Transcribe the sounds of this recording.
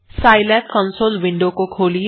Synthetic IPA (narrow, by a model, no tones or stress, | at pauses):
saːɪlɛkkə̃nsoːlʋɪ̃ɳɖõkokʰoːli